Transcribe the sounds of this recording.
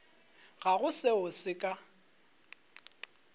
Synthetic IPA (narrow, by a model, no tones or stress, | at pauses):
ɣaɣʊsɪʊsɪkʼa